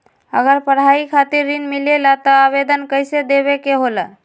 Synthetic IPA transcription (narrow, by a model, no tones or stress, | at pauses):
ə̰ɡəɾpəɽɦaikʰat̪iɾːinmilelat̪ɔːβed̪ənkəjsed̪eβekeɦolə